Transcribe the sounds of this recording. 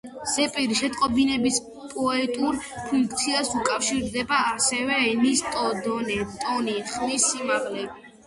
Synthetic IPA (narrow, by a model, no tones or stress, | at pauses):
z̥ɛpʼiɾiʃɛt̪ʼqʼɔbinɛbis | pʼɔɛt̪ʼuɾpʰuŋkʰʼt̪sʰiasukʼafʃiɾd̪ɛbaːsɛvɛɛnist̪ʼɔd̪ɔnɛt̪ʼɔniχmisːimaʁlɛbi